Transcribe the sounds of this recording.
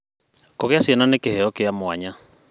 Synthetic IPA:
koɣeasjɛnanekehɛɔkeamoaɲa

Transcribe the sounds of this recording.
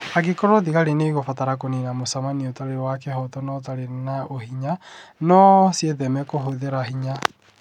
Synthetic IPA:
aɣekoɾoðiɣaɾeneiɣofataɾakonenamosamaniotaɾewakehɔtɔnɔtaɾenaʔohiɲanɔsjeðɛmɛkoɦoðeɾahiɲa

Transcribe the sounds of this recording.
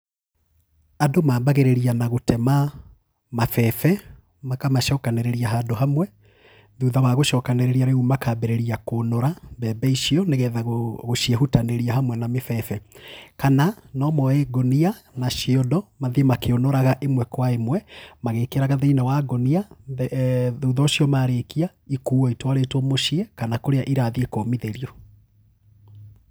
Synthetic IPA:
adomaːbaɣeɾeɾianaɣotɛma | mafɛfɛ | makamaʃɔːkaneɾeɾiaɦadoɦamwɛ | ðuðawaɣoʃɔːkaneɾeɾiaɾeumakabɛɾɛɾiakoːnɔɾabɛːbɛiʃiɔneɣɛðaɣoɣoʃiɛhutaneɾiaɦamwɛnamefɛfɛkananɔmɔɛɡonianaʃiɔdɔmaðiemakeonoɾaɣaʔemwɛkwaemwɛmaɣeːkeɾaɣaðeinawaɡonia | ðuːðɔːɕiɔmaɾekia | ikuːɔitwaɾetwɔmoʃiɛkanakoɾeaʔiɾaðiekoːmiðeɾiɔ

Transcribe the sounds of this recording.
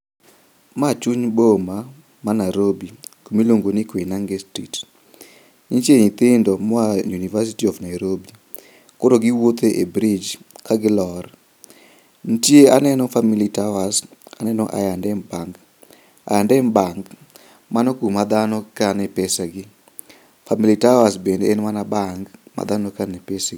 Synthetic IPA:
mat͡ʃuɲboma | manajɾobikumiloŋɡonɪkwenaŋɡɛstrḭt | ɲit͡ʃeɲit̪ɪndɔmɔajunivas̬itiɔfnajɾobi | kodoɡiwot̪eʔebɾɪd͡ʒkaɡɪlɔr | n̩tjeanɛnɔfamilitawasanɛnɔʔa̰jandɛmbaŋɡ | a̰jandɛmbaŋɡ | manɔkumad̪anɔkanɛpɛsaɡɪ | familitawasbendeenmanabaŋɡma̰d̪anɔkanɛpesaɡ

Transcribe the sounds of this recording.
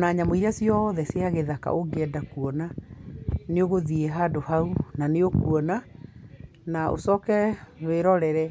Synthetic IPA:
naɲamoiɾasiɔðɛseaɣeðaka̰ʔoɡɛdakuɔna | neoɣoðieɦadohaunaneokuɔna | nao̰sɔːkɛweɾɔɾɛɾɛ

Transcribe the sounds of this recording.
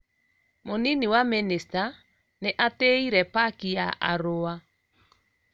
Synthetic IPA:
moniniwamenista | neʔateiɾɛpakijaʔa̰ɾoa

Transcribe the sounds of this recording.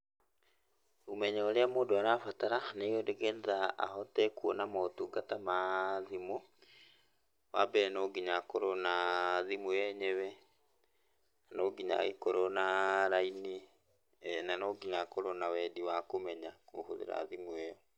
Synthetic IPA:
umɛɲaoɾeamoːndoaɾafataɾaneodeɡɛnðaa̰ɦɔtɛkuɔnamotuːɡatamaðimo | wabɛɛnoɡiɲakoɾonaðimuɛɲɛβɛ | anoːɡiɲa̰ɣekoɾɔnaɾaini | ɛnanoɡiɲakoɾonawɛdiwakomɛɲakohoðḛɾa̰ðimuɛjɔ

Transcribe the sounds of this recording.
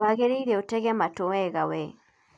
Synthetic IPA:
aɣeɾeiɾeotɛɣɛmatowɛɣawɛ

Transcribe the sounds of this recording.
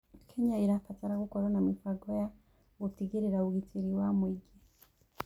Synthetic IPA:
kʰeɲaiɾafataɾaɡukoɾanamifaɡoja | ɡutiɡiɾiɾauɡitiɾiwamwiɡe

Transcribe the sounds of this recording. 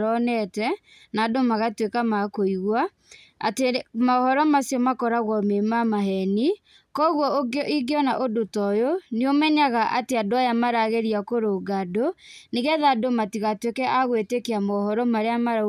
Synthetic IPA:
ɾɔnɛtɛ | nadomaɣatwekamakoiɣwa | a̰temaɔhɔɾɔmasjɔmakɔɾaɣwɔmemamaɦɛni | kɔɣwɔoɡʔiɡeɔnaʔodotɔjoneomɛɲaɣaʔateadoajamaɾaɣeɾiakoɾoɡadoneɣɛðadomatiɣatwekɛʔaɣwetekeamaɔhɔɾɔmaɾeamaɾ

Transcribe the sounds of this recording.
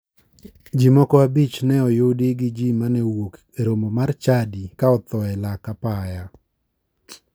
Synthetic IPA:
d͡ʒimɔkɔabit͡ʃnɛɔjʊdiɡɪd͡ʒimanɛwok | eɾomomart͡ʃadikaɔt̪ɔɛlakapaja

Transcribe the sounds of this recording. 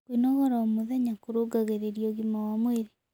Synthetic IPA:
kwinɔɣɔɾaomoðɛɲakoɾoɡaɣeɾeɾjɔɣimawamweɾe

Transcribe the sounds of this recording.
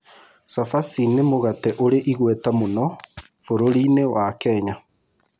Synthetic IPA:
safasinemoɣatɛʔoɾeʔiɣwɛtamonɔ | foɾoɾinewakɛːɲa

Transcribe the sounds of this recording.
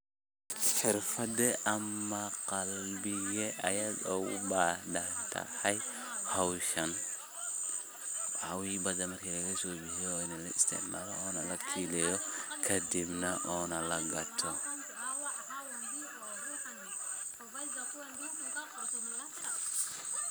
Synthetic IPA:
ħɪrfɐd̪ɛʔɐmːɐqɑlbɪɣɛʔɐjaːdɔʊ̰bad̪ant̪ʰɐ̰ħɐjhɔwʃɐn | ʔawibɐd̪ɐmɐrkʰiːlɐɣɐsɔːbɪhɪjɔːɪnɐlɐɪst̪ʰɪ̰ʕmaːlɔɔːnɐlɐkʰiːlɛjɔkʰɐd̪ɪbnɐʔɔːnɐlɐɡɐt̪ʰɔ

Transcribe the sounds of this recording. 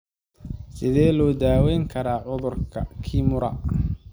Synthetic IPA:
sɪðɛːlɔːd̪aːwɛjŋkʰɐɾaːʕʊðʊrkʰɐkʰiːmʊɾɐ̰

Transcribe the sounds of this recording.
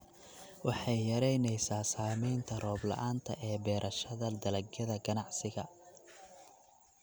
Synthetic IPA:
wɑħɑjːɐɾɛjnɛjsaːsaːmɛjnt̪ʰɐrɔːblɐ̰ʔaːnt̪ʰɐʔɛːbɛːɾʔɐʃɐðɐd̪ɐlɐɡɡɐðɐɡɐnɑʕsɪɣɐ

